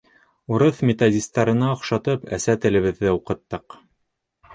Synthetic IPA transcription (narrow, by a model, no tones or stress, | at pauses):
uɾɤθmʲet̪odʲist̪ɑɾɤ̆nɑɤ̆χʃɑt̪ɤpæ̰sæt̪ɘ̆lɘ̆βɘ̆ðːɘuqɤ̆t̪ːɤq